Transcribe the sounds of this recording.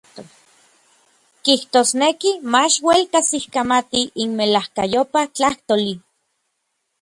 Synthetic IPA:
kiht̪oːsnekimat͡ʃwelkasihkamat̪iʔinmelahkajopat͡ɬaht̪oli

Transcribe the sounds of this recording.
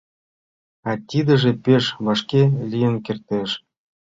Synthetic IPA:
ɑt̪ʲid̪ə̆ʒepeʃβɑʃkelʲijə̆nkert̪eʃ

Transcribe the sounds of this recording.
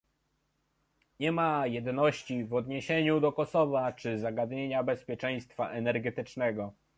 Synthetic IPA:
ɲɛmajɛd̪nɔɕt͡ɕivɔd̪ɲeɕeɲud̪ɔkɔsɔvat͡ʂɘzaɡad̪ɲeɲabɛspʲjɛt͡ʂɛj̃st̪faʔɛnɛɾɡɛt̪ɘt͡ʂnɛɡɔ

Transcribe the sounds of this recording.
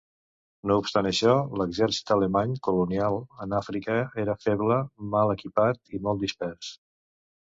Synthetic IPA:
noupst̪anəʃɔləɡzɛɾsi̥t̪ələmaɲkulunialˠənafɾikəeɾəfɛβləmalˠəkipat̪imɔlˠd̪ispɛɾs

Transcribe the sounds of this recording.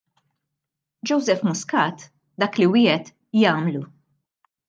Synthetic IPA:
d͡ʒɔwzɛfmʊskɐːt̪ | d̪ɐːkliwɪːhɛt̪ | jɐːmlu

